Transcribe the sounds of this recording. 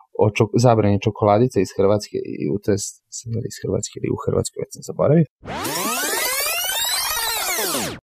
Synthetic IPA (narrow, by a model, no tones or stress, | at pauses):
o̰t͡ʃozabɾanit͡ʃokolˠad̪it̪saisxr̩ʋat̪skḛʔiḭut̪oes | seliisxrʋa̰t̪skeilḭuxrʋa̰t̪skojʋet̪ʲsazabo̞̰ɾaʋi